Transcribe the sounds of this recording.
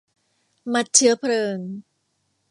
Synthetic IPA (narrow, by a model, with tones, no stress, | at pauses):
ma˧˥t̪̚t͡ɕʰɯ˦ɐpʰɾɤː˧ŋ